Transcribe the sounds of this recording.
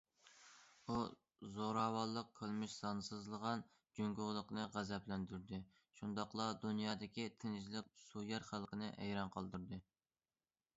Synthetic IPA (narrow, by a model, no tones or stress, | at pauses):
u | zoɾɑːwɑlˠːəq̚ʰːəlˠmɪʃsɑnsɨzlˠəʁɑn | d͡ʒøŋɡoʁlˠəqnɨʁæzɛplɛnd̪yɾd̪ɪ | ʃund̪ɑqlˠɑd̪unjɑːd̪ɪkʲit̪ʰɪnɪd͡ʒlɪk̚ʲsujɛɾχælˠqʰənɨ̰ʔɛ̰jɾɑnqəlˠd̪uɾd̪ɨ